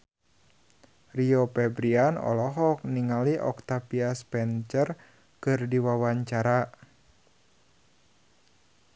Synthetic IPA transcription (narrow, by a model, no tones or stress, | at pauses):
riopɛbɾianɔ̰lɔɦɔk̚niŋaliʔɔ̰k̚t̪apiaspɛnt͡ʃər | kɨrdiwawaɲt͡ʃaɾa